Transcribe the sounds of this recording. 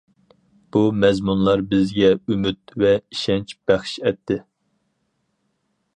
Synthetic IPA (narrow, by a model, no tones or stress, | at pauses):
b̥umɛzmunlˠɑɾbɪzɡʲɛymyt̪vɛiʃɛnt͡ʃb̥æχʃɛt̪ʰːɪ